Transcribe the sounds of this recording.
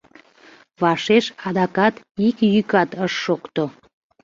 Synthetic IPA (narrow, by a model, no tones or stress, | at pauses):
βɑʃeʃɑd̪ɑkɑt̪ | ikjykɑt̪əʃːokt̪o